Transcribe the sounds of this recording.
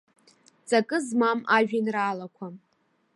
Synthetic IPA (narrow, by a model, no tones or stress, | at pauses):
t͡sʼakʼɨzmamaʒᶣinraːlakʷʰa